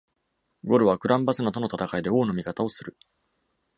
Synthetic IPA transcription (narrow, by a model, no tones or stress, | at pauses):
ɡo̞ɾɯ̟βakɯ̟ɾãmbasɨnot̪o̞no̞t̪at̪akaid̪e̞o̞ːno̞mʲikat̪ao̞sɨɾɯ̟